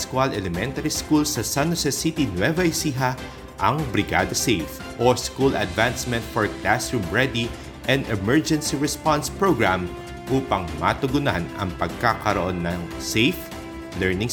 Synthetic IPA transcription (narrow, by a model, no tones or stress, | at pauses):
skwalɛlɛmɛnt̪ɐɾiskulsɐsanosɛsit̪inwɛvɛjsiɦa | ʔɐŋbɾɪɡa̰d̪ɐsejf | ʔoskulɐ̰d̪vansmɛ̃nt̪̚fɔɹklasɹumɹɛd̪i | ʔɛnd̪ɛmɛɹd͡ʒɛnsiɹɛspanspɹoɡɹam | ʔuːpɐŋma̰t̪ʊɡʊna̰nɐ̰ŋpɐɡ̚kakɐɾoʔonːɐŋ | sejf | lɛɹnɪŋ